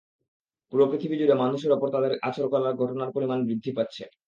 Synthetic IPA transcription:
puɾopɾit̪ʰibid͡ʑuɖemanuʃ̬eɾɔpoɾt̪ad̪eɾat͡ɕoɾkɔlaɾɡʱɔʈonaɾpoɾimanbɾid̪ʱːipatːɕʰe

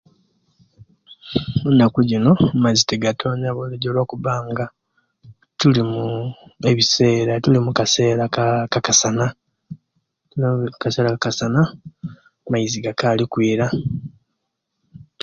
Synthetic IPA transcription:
munakuɟino̞maziteɡatʰo̞ɲaβoleɟolo̞ːkuβaːŋɡa | tulimue̞βise̞ːɾatulimukase̞ːɾakakakasana | tulimukase̞ːɾakakasana | maiziɡakaːlikwiːɾa

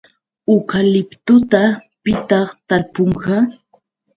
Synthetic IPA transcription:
ʊkalɪpt̪ʊt̪apɪt̪ɑχt̪aɾpoɴɢɑ

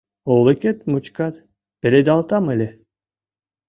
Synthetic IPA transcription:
olˠeket̪mut͡ʃkat̪ | b̥elʲed̪ʲalˠt̪amɯlʲe

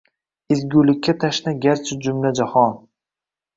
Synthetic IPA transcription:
ɪzɡʲulɪkʲʰːat̪ʰaʃnaɡʲaɾt͡ʃʰɪd͡ʒʊmlad͡ʒahɒn

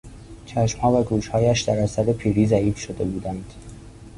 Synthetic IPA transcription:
t͡ʃʰæʃmhɒːvæɡuːʃhɒːjæʃd̪æɾæsæɾepʰiːɾiːzæiːfʃod̪e̞buːd̪ænd̪̥

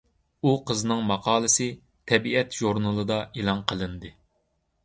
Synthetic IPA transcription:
uqʰəznɨŋmɑqʰɑːlˠɨsɨ | t̪ʰɛbiɛt̪ʒoɾnɨlˠɨd̪ɑʔelˠɑnqʰəlˠɨnd̪ɨ

